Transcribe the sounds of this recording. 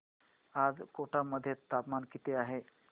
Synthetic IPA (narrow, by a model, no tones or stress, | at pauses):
ad͡zkoʈaməd̪ʱːjet̪ːapmankit̪eaɦe